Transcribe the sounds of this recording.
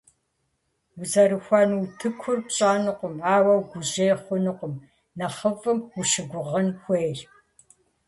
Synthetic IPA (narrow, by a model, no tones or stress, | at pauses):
wuzɐɾɨxʷɑnwtʰɨkʷʰʊrpɕʼaːnɨqʷʊmaːwɐwɡʷʊʑeːχʷʊnɨqʷʼʊm | nɐχəfʼɨmwʊʃɪɡʷʊʁɐnxʷeːjr